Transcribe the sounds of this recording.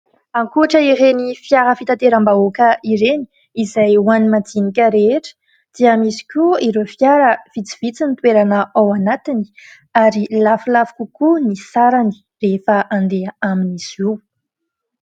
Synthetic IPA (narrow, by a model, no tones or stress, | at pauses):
aŋkuaʈ͡ʂəiɾenifjaɾəfit̪at̪eɾambaokəʔiɾeni̥ | izajwanimad͡zinikʲəɾeʈ͡ʂə̥ | d̪̥iamisi̥kʲuiɾofjaɾəv̥it͡si̥vit͡sinit̪weɾanəʔawanat̪ini̥ | aɾilafulafu̥kukunisaɾani̥ | refəʔaɳd̪eaaminiziw